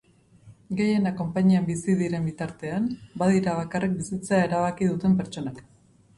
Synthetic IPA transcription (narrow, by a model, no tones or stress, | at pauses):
ɡe̞je̞nako̞mpaɲiambisiðiɾe̞mbit̪aɾt̪e̞ambaðiɾaβ̞akarʔik̚bisit͡se̞aeɾaβ̞akiðut̪e̞mpe̞ɾt͡ʃo̞nak